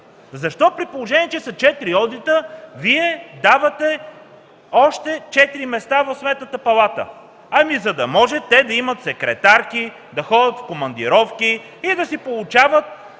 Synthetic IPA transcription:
zɐʃt̪ɔpɾipolˠoʒɛnʲiɛt͡ʃɛsɐt͡ʃɛt̪iɾiɔd̪it̪əviɛd̪avɐt̪ɛ | ɔʃt̪ɛt͡ʃɛt̪iɾimɛst̪avɐfsmɛt̪nət̪əpɐlˠat̪ə̰ | ɐmizɐd̪ɐmɔʒɛt̪ːɛd̪ɐimɐt̪sɛkɾɛ̰t̪aɾki | d̪ɐxɔd̪ʲət̪fkomɐnd̪ḭɾɔfkiː | d̪ɐsipolˠʊt͡ʃavət̪̚

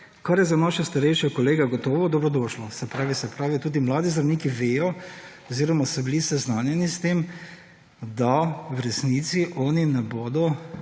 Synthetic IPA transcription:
kaɾjɛzanaːʃɛst̪aɾɛjʃɛkɔleːɡaɡɔt̪ɔːʋɔd̪ɔbɾɔd̪ɔːʃlɔsɛpɾaːʋisɛpɾaːʋit̪uːd̪imlaːd̪izɾɐwniːkiʋeːjɔɔziːɾɔmasɔbilisɛznaːnjɛnist̪eːm | d̪awɾɛsnit̪siʔɔːninɛboːd̪ɔ

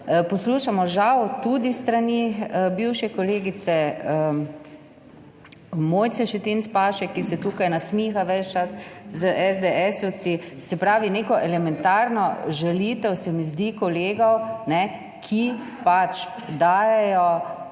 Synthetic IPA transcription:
pɔsluːʃamɔʒawt̪ud̪ist̪ɾaniəbiwʃɛkɔleːɡit̪sɛə | moːjt͡ssɛʃɛt̪inspaːʃɛkːisɛt̪uːkajnasmiːxaʋɛt͡ʃt͡ʃaszəʔɛzd̪eɛsut͡ssi | sɛpɾaːʋineːkɔʔɛlɛmɛnt̪aɾnɔʒɛlit̪ɛwsɛmizd̪ikɔleːɡɔwnɛ | kʰi | pat͡ʃ | d̪aːjɛjɔ

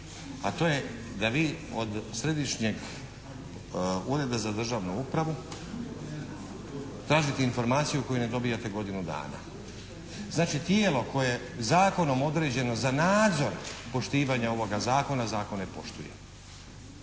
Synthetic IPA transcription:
at̪o̞ːje̞ | d̪aʋiːod̪sɾe̞d̪iʃɲeɡ | uːɾe̞d̪azad̪r̩ʒaːʋnuupɾaʋu | t̪ɾaːʒit̪einfo̞ɾmaːt̪sijuko̞june̞d̪o̞bijat̪e̞ɡo̞d̪inud̪a̰ːna̰ | znaːt͡ʃit̪jeːlo̞ko̞joje | zaːko̞no̞mo̞d̪ɾe̞d͡ʑe̞no̞zanaːd̪zo̞ɾpo̞ʃt̪iːʋaɲao̞ʋo̞ɡazaːko̞nazaːko̞nːepo̞̰ʃt̪ujḛ

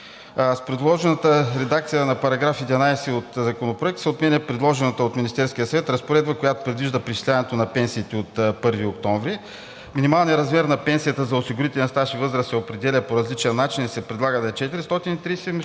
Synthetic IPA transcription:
spɾɛd̪lˠɔʒɛnət̪əɾɛd̪akt̪sijənɐpɐɾɐɡɾafid̪vɐnajsɛot̪zɐkonopɾoɛk̚t̪səot̪mɛnʲəpɾɛd̪lˠɔʒɛnət̪əot̪minist̪ɛɾskijəsɐvɛt̪ɾɐspoɾɛd̪̚bəkojat̪o̥pɾɛd̪viʒd̪əpɾit͡ʃi̥slʲanɛt̪onɐpɛnsiːt̪ɛot̪pɤɾviokt̪ɔɱvɾi | minimalˠnijəɾɐzmɛɾnɐpɛnsijət̪əzɐosiɡʊɾit̪ɛlʲnst̪aʃivɤzɾəsɛopɾɛd̪ɛlʲəpoɾɐzlit͡ʃɛənat͡ʃinisɛpɾɛd̪lˠaɡəd̪ɐɛt͡ʃɛt̪iɾist̪ɔt̪init̪ɾijsɛm

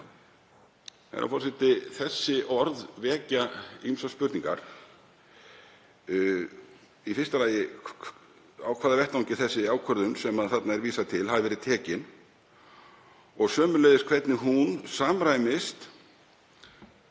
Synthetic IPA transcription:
a̰ɾʔa̰fɔɾsɪht̪ɪθɛsːɪʔɔɾðvɛːcaimsaspʏɾt̪niŋka̰ɾ̥ | ifɪst̪alaːjɪ | awkʰvaːðavɛht̪awɲcɪθɛsːɪaːwkʰœɾðʏnsɛmaðθat̪naɛɾviːsat̪ʰɪlhavɪvɛːɾɪt̪ʰɛːcɪn | ɔɣsœːmʏlɛjðɪskʰvɛt̪nɪɦunsaːmɾaːjmɪst̪

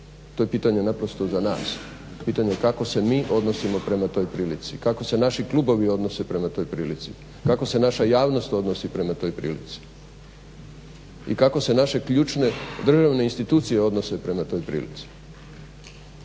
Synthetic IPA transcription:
t̪ojepiːt̪aɲe̞napɾo̞st̪o̞zana̰ːs | piːt̪aɲekako̞se̞miːʔo̞d̪nosimo̞pɾe̞mat̪o̞jpɾiːlit̪sikako̞se̞naʃiklˠubo̞ʋio̞d̪no̞se̞pɾe̞mat̪o̞jpɾiːlit̪sḭ | kako̞se̞naʃajaːʋno̞st̪o̞d̪nosipɾe̞mat̪o̞jpɾḭːlḭt̪si̥ | ḭkako̞se̞naʃe̞kʎuːt͡ʃne̞d̪r̩ʒaʋneinst̪it̪uːt̪sijeo̞d̪no̞se̞pɾe̞mat̪o̞jpɾḭːlḭt̪si̥

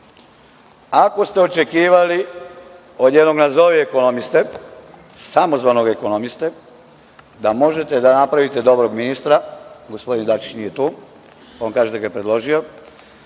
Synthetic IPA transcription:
ako̞st̪e̞o̞t͡ʃe̞kiːʋali | o̞d̪jed̪no̞ɡnazoʋieko̞no̞mist̪e | samo̞zʋaːnoɡeko̞no̞mist̪e | d̪amo̞ʒet̪ed̪anapɾaʋit̪ed̪o̞bɾo̞ɡminist̪ɾaɡospo̞d̪ind̪at͡ʃi̥t͡ʃnijet̪uː | oːnkaːʒet̪eɡajepɾe̞d̪lo̞ʒio̞

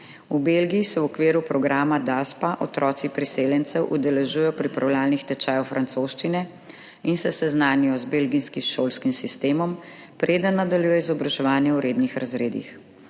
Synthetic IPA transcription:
ubelɡiːsɛwɔkʋeːɾupɾɔɡɾaːmad̪aspaʔɔt̪ɾɔːt̪sipɾiseːljɛnt̪sɛwʔud̪ɛlɛʒuːjɔpɾipɾawlaːlnixt̪ɛt͡ʃaːjwfɾant̪soːʃt͡ʃinɛ | insɛsɛznaːnijɔzbelɡinskimʃoːlskimsist̪eːmɔm | pɾeːd̪ənːad̪aljujɛizɔbɾaʒɛʋaːnjɛwɾeːd̪nixɾazɾeːd̪ḭx

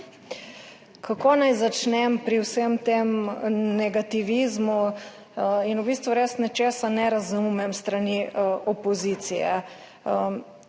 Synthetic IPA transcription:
kʰakoːnajzat͡ʃnɛmpɾiwsemt̪emnɛɡat̪iʋizmu | inubist̪ʋuɾesnɛt͡ʃeːsanɛɾazumɛmst̪ɾaniɔpɔziːt̪sijɛ̰

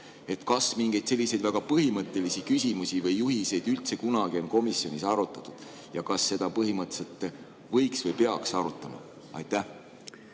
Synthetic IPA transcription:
e̞t̪kɑsmiŋɡ̥ejd̪̥se̞lːise̞jd̪̥væɡ̥ɑpɤɦimɤt̪ˑːe̞lisikysʲimusivɤjːuɦise̞jd̪ylt̪se̞kunɑɡ̥io̞nko̞misjo̞nisɑɾut̪ːˑɑt̪ːˑud̪̥ | jɑkɑsːe̞d̪̥ɑpɤɦimɤt̪ːˑse̞lt̪ˑ | vɤ̞jksvɤjpe̞ɑksɑɾut̪ˑːɑmɑ̰ | ɑ̰jt̪ˑːæh

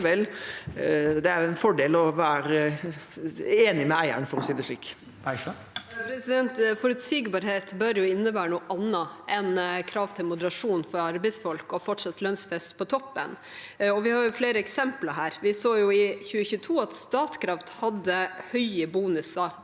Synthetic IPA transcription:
ʋɛlː | d̪ɛæɾʊɛnfɔɖeːlɔʋæːɾ | eːnɪmɛæɪæ̰ɳfɔɾɔsiːd̪ɛʂɭiːkː | pʰɾɛsɪd̪ɛnt̪fɔɾʉt̪siːɡbɑːɾheːt̪bœɾjʊɪnːəbæːɾənuːʔɑnːɑʔɛnkʰɾɑːʋt̪ʰɪlmʊd̪əɾɑʂuːnfɔɾɑɾbɛɪsfɔlkɔfɔʈʂɑt̪ːlœnsfɛst̪pʰɔt̪ʰɔpːə̰n | ɔʋɪhɑːɾjʊfleːɾəɛksɛmplɑɾɦæːɾʋɪsoːjʊɪçʉːəçʉːət̪ʰuːɑt̪st̪ɑːt̪kʰɾɑft̪hɑd̪ːəhœʏəbuːnʉsɑ

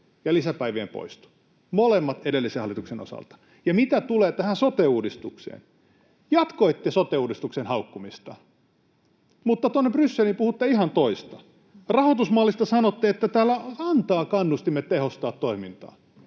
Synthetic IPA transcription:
jɑlisæpæiʋieːmpo̰ist̪u̥ | molemːɑt̪edelːisehɑlːˑit̪ukseno̰sɑ̰lt̪ɑ̥ | jɑmit̪æt̪uleːt̪æhænsot̪euːdist̪uksḛːn | jɑt̪koit̪ːesot̪euːdist̪uksenhɑukːumist̪ɑ | mut̪ːɑt̪onːeprysːelimpuhut̪ːeihɑnt̪oist̪ɑ | rɑhot̪usmɑːlːist̪ɑsɑnot̪ːeet̪ːæt̪æːlːæɑnt̪ɑːkɑnːust̪imːet̪ːehost̪ɑːt̪tːoimint̪ɑ̰ː

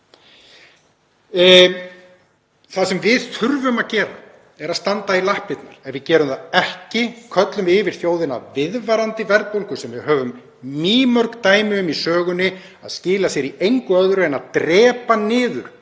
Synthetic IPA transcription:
θasɛmvɪðθʰʏɾvʏmaðcɛːɾa̰ | ɛɾaðst̪ant̪ailahpɪt̪naɾ̥ɛnvɪðcɛːɾʏmθaðɛhcɪkʰœt̪lʏmɪvɪɾ̥θjoːwðɪna̰vɪðvaɾant̪ɪvɛɾðpowlkʏsɛmvɪðɦœːvʏm | miːmœɾkt̪aːjmɪʏmisœːɣʏnːɪ | a̰ðscɪːlasjɛɾiejŋkʏœðɾʏɛnaðt̪ɾɛːpanɪːðʏ̰ɾ̥

